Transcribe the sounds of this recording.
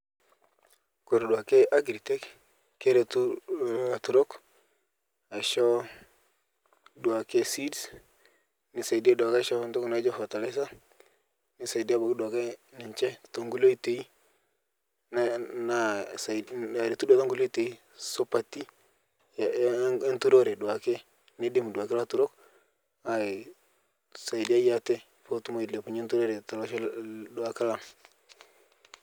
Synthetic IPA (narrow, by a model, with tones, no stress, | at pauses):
ko˨ɾdwa˨ke˦ʔa˦ɡɾi˨te˦k | ke˦ɾe˨tu˦˨tu˨ɾo˦k | a˨ʃo˦ | du˨a˨ke˦si˦ds | ni˨sa˨di˦e˦du˨a˨ka˦ʃo˦˨ntu˦ku˨na˦d͡ʒo˦fo˨ta˨le˦s̬a˦ | ni˨sa˨i˨da˦bo˨kdwa˨ke˦ni˨ɲt͡ʃe˦tto˨ŋɡu˦lo˦i˦te˨i˦ | n˦na˦sa˨a˨ɾi˨tu˦da˦ta˦ŋɡu˦lo˦i˦te˨i˦ | so˦pa˨ti˦ | je˦ntu˦ɾo˦˨ɾe˨du˨wa˨ke˦ | ni˦di˦m˨du˨a˨ke˦la˦tu˨ɾo˦k | a˨i˨ | sa˨i˨di˦a˦ja˦te˦ | fo˦tu˦mo˦i˨dle˨pu˨ɲe˦ntu˦ɾo˦ɾe˨ta˨lo˦ʃdu˨a˨ka˦la˦ŋ